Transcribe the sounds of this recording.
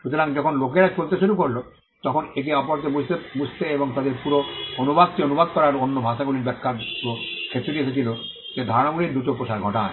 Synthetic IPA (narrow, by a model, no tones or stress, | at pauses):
ʃut̪oɾaŋd͡ʑɔkʰonlok̬eɾat͡ʃolt̪eʃuɾukoɾlo | t̪ɔkʰonek̬eɔpɔɾt̪ebud͡ʑt̪ebust̪eeboŋt̪ad̪eɾpuɾoonubad̪̚kionubʱad̪̚kɔɾaɾonːobʱaʃaɡuliɾbɛkʰːaokʰet̪ːɾed̪ieset͡ɕʰilo | d͡ʑed̪ʱɔɾonamuɾiɾd̪ɾut̪opɾoʃaɾɡʱɔʈa